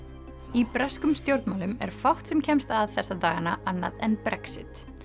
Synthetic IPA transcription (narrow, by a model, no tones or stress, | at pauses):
ipɾɛskʏmst̪jowɾt̪nmawlʏmɛ̰ɾ̥fawht̪sɛmcʰɛmst̪aðθɛsːat̪aːɣanaʔanːa̰ðɛnpɾɛksɪt̪